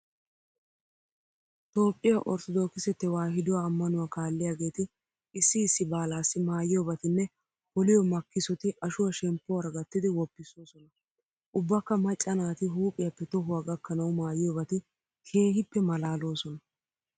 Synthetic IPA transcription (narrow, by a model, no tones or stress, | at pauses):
t̪o̞ːpʼːɪjaʔɔ̰ɾt̪ɔd̪o̞ːkːɪsɛt̪ːɛwaːɦɪd̪ʊwaːmːɐnʊwaːkaːlːɪjaːɡe̞ːt̪ɪ | ɪsːɪːsːɪbaːlaːsːɪmaːjɪjɔbɐt̪ɪnːɛ | hɔlɪjɔmɐkːɪsɔt̪ɪʔɐʃʊwaʃɛmpːʊwɐɾɡɐt̪ːɪd̪ɪwɔpːɪsoːsɔnɐ | ʔʊbːɐkːɐmɐt͡ʃʼːɐnaːt̪ɪɦuːpʼɪjɐpːɛt̪ɔɦʊwaːɡɐkːɐnɐwʊmaːjɪjobɐt̪ɪ | hʰeːhɪpːɛmɐlaːlo̞ːsɔnɐ